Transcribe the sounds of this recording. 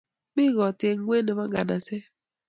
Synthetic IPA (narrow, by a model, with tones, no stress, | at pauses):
mi˦ɣɔ˨tje˨ŋ˦we˦nə˨ma˦ŋ˦ɡa˨na˨se˦